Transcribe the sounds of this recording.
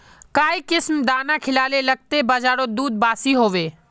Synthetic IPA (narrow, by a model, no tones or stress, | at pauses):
kaːikɪsmd̪aːnakʰɪlaːlelɐɡ̚t̪ebəd͡ʒaːɾod̪uːd̪̚baːsiɦoːʋeː